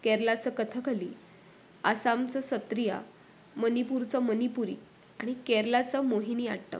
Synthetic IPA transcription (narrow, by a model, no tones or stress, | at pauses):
keɾlat͡səkət̪ʰəkaliː | asamt͡səsət̪ɾija̰ | mənipuɾt͡səmənipuɾḭː | aɽ̃ikɛɾlat͡səmoɦinia̰ɽʈə̰